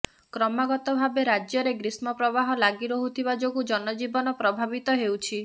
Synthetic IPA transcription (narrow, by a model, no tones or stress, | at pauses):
kɾɔmaɡɔt̪ɔbʱabeɾad͡ʒjɔɾeɡɾismɔpɾɔbaɦɔlaɡiɾɔɦut̪ʰibad͡ʒoɡud͡ʒɔnɔd͡ʒibɔnɔpɾɔbʱabit̪ɔɦewt͡ʃʰi